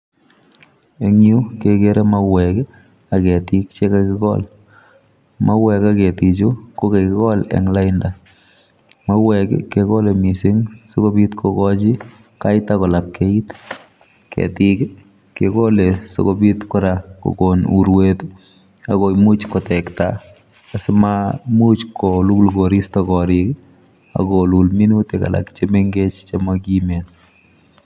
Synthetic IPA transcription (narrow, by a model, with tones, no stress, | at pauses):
e˦ŋju˦ke˨ke˦ɾe˦mawɛ˨k | a˨kɛ˨ti˦kt͡ʃe˦kakɪ˦kɔ̰l | ma˦wɛ˨ka˦ke˨ti˨t͡ʃo˦ko˦ke˨kɪ˦kɔ˦lɛ̰ŋla˦ɪnda | ma˦wɛkkeko˦le˨mi˨sɪ˦ŋsoko˦bi˦tkʰokɔt͡ʃi˦ | ka˦ɪtakɔ˨la˨p̚kʰe˦i˦t | kʰɛ̰tik | kːḛko˦leso̰˨kobi˦t̪kɔ˦ɾako̰˨konuɾwet̪ | a˨ko˨imu˦t͡ʃkɔtɛkta | asɪmamu˦t͡ʃkʰolu˦lɡoɾistɔkɔɾik | a̰kolulmi˦nu˦teka̰˨la̰˨kt͡ʃe˦meŋɡet͡ʃt͡ʃemaɡime˨n